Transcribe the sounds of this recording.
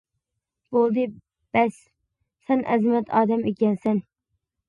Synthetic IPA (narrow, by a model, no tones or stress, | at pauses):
bolˠd̪ɪ | b̥æs | sɛnʔæ̰zmɛt̪ʰɑːd̪æmekʲɛnsɛn